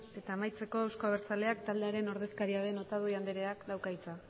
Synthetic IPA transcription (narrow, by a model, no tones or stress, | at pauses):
e̞t̪aːmajt͡se̞ko̞ewsko̞aβ̞eɾt͡sale̞akt̪ald̪e̞aɾe̞no̞ɾð̞e̞skaɾiaðe̞no̞t̪að̞uiand̪eɾe̞aklawkajt͡sa